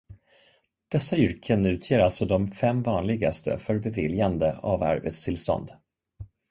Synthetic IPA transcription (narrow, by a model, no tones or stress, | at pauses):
d̪̥ɛsːaʏɾkʰənʉ̟ːt̪ʰjeːɾalt̪sɔd̪ɔmfɛmːvɑːnlɪɡa̰st̪ʰə̰fœɾbɛvɪljand̪əavæ̰ɾvə̰t̪st̪ʰɪlst̪ɔ̰nd̪